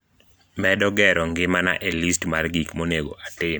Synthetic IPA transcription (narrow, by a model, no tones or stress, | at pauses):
mɛdɔɡɛɾɔŋɡɪmana̰ʔelistmarɡikmoneɡoʔatɪm